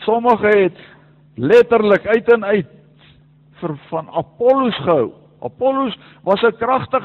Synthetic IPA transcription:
sɔməχəɦɛt | lɛtərləkœɥtənœɥt | fərfɐnɐ̰pɔlusχəɦəw | ʔɐ̰pɔlus | vɐsəkrɐχtəχ

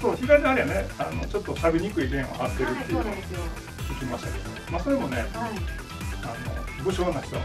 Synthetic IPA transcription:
soːçiɡaid̪eaɾijaneano̞t͡ɕo̞t̪ːosabʲiɲ̟ikɯ̟iɡẽ̞ɰ̃ohat̪ːe̞ɾɯ̟t̪ːejɯ | ikʲimaɕi̥t̪ake̞d̪omomaso̞ɾe̞mo̞ne̞ | ano̰bɯ̟ɕoːnːaçi̥t̪o

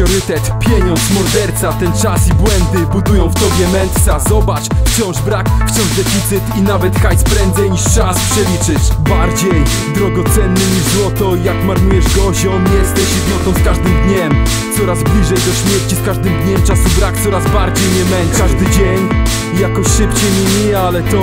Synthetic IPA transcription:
ɔɾɘt̪ɛt̪pʲjɛɲɔnt̪smɔɾd̪ɛɾt̪sat̪ɛnt͡ʂasibwɛnd̪ɘbud̪ujɔ̃w̃ft̪ɔbʲjɛmɛnt̪sazɔbat͡ʂfft͡ɕɔ̃w̃ʐbɾakft͡ɕɔ̃w̃ʐd̪ɛfʲit̪sɘt̪inavɛt̪xajspɾɛnd̪zɛjɲiʂt͡ʂaspʂɛlʲit͡ʂɘt͡ɕbaɾd͡ʑej | d̪ɾɔɡɔt̪sɛnːɘɲiʐzwɔt̪ɔijakmaɾnujɛʐɡɔʑɔ̃w̃mjɛst̪ɛɕipʲɔt̪ɔ̃w̃skaʐd̪ɘmd̪ɲɛm | sɔɾazblʲiʐɛjd̪ɔɕmʲjɛɾt͡ɕiskaʐd̪ɘmd̪ɲɛmt͡ʂasubɾak̚t̪sɔɾazbaɾd͡ʑejɲɛmɛnaʐd̪ɘd͡ʑeɲ | ijakɔɕʂɘpt͡ɕɛmʲemʲi | alɛt̪ɔ

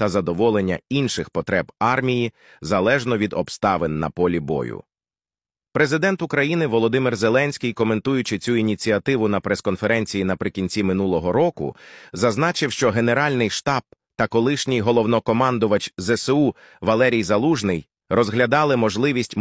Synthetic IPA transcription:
t̪ɐzɐd̪ɔʋɔlˠenʲːɐ̰inʃɪxpɔt̪ɾɛbɑrmʲiji | zɐlˠɛʒnɔʋʲid̪ɔbst̪ɑʋɪnːɐ̰pɔlʲibɔ̰jʊ̰ | pɾe̞zɪd̪ɛnt̪ʊkɾɐjinɪʋɔlˠɔd̪ɪmɪrzelˠɛnʲsʲkʲijkɔme̞nt̪ujʊt͡ʃɪt͡sʲuinʲit͡sʲiɐt̪ɪʋʊnɐpɾɛskɔnfeɾɛnʲt͡sʲijinɐpɾɪkʲinʲt͡sʲimɪnulˠɔɦɔɾɔkʊ̰zɐznɑt͡ʃɪwʃt͡ʃɔɦe̞ne̞ɾɑlʲnɪjʃt̪ɑb̥̚ | t̪ɐkɔlˠɪʃnʲijɦɔlˠɔwnɔkɔmɑnd̪ʊʋɐt͡ʃzɛsɛu | ʋɐlˠɛɾʲijzɐlˠuʒnɪj | rɔzɦlʲɐd̪ɑlˠɪmɔʒlˠɪʋʲisʲtʲ

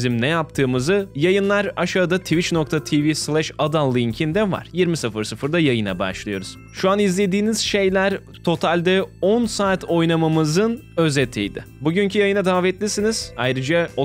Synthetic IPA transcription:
zimnɛjapt̪ʰɯːmɯzɯjajɯnlˠaɾaʃad̪at̪ʰivit͡ʃnok̚t̪ʰat̪ʰivislʲˠɛʃad̪alˠːiiɲcʰind̪ɛva̰ɾ̥jiɾmisɯfɯɾsɯfɯɾd̪ajajɯna̰ba̰ʃlˠɯjo̞ɾuz̥ | ʃuanizlʲe̞d̪iːniz̥ʃe̞jlʲæɾ | t̪ʰo̞t̪ʰalʲd̪ɛɔnsaːt̪ʰo̞jnamamɯzɯnø̞zet̪ʰːḭjd̪ɪ̰ | buɟyɲcʰyjajɯnad̪aːvɛt̪lʲisiniz̥ajɾɯd͡ʒao

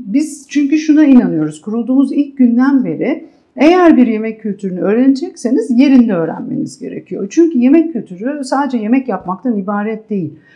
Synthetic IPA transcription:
biz̥t͡ʃʰyɲcyʃunainanɯjo̞ɾuz̥kʰuɾulˠd̪uːmuzilʲc̚ɟynd̪æmbe̞ɾi | e̞jæɾbiɾje̞mɛcʰːylʲt̪ʰyɾynyø̞ːɾe̞ned͡ʒɛcse̞nizje̞ɾind̪ɛøːɾæ̰nme̞̰nizɟe̞̰ɾe̞̰cʰijo̞̰t͡ʃʰyɲcyje̞mɛcʰːylʲt̪ʰyɾysaːd̪ed͡ʒɛje̞mɛcjapmak̚t̪ʰanibaːɾɛt̪̚d̪e̞jilʲ

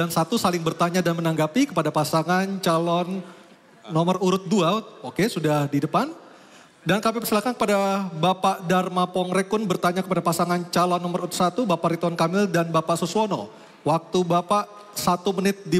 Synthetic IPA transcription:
dansat̪usalɪŋbərt̪aɲadanmənaŋɡapikəpadapasaŋant͡ʃalɔnː | ɔməruɾʊt̪̚duaokesudahdidəpan | dankamipərsilakankə̥padabapaʔdarmapɔŋɾɛkːʊnbərt̪aɲakəpadapasaŋant͡ʃalɔnːɔməɾuɾʊt̪sat̪ubapaʔɾit̪ɔnkamɪldanbapaʔsosuɔnɔ̰ | wak̚t̪ubapaʔ | sat̪umənɪt̪̚di

